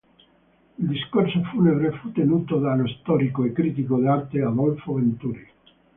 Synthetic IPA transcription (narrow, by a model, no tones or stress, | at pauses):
ild̪iskorsofuneβɾefut̪enuːt̪od̪anoist̪ɔɾikoekːɾit̪ikod̪eart̪ead̪ɔlfovent̪uɾi